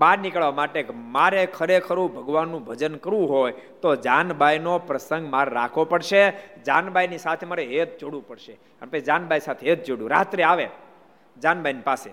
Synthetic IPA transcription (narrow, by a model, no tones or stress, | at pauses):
baɾnikəɭʋamaʈekmaɾekʰəɾekʰəɾũbʱəɡʋanːũbʱəd͡ʒənkəɾʋũɦojt̪od͡ʒanbʱajnopɾəsəŋɡmaɾɾa̰kʰʋopəɽʃed͡ʒanbʱajnisat̪ʰemaɾeet̪̚d͡ʒoɽũpəɽʃe | ənepəid͡ʒanbʱajsat̪ʰeet̪̚d͡ʒoɽjũɾa̰t̪ɾeaʋe | d͡ʒanbʱajnipase